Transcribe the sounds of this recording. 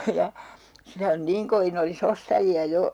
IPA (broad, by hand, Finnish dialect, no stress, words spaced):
jɑ sitæ on niːŋ koʋin olis ostɑjiɑ jo